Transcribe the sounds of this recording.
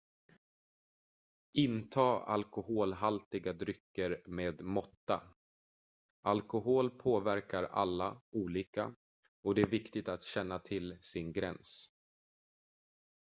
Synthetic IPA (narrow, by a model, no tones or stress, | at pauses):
ʔɪnt̪ʰɑːa̰lkʊhoːlɦalt̪ɪɡad̪ɾʏkːəɾmeːd̪mɔt̪ːa̰ | ʔalkʊɦoːlpʰoːvæɾkaɾa̰lːa̰uːliːka̰ | ɔd̪ɛæɾvɪkt̪ɪt̪at̪ɕɛnːat̪ʰɪlsɪnɡɾɛ̰ns